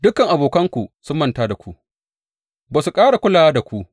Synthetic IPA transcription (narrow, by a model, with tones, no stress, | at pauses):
dʊ˦kɐ˨ŋʔa˨boː˨kɐ˦ŋkʷu˨sʊ˦mːɐ˦ntaː˦da˨kʷu˦ʔ | baː˨su˨kʼaː˦ɽa˨kʷʊ˦laː˨waː˦da˨kʷu˦ʔ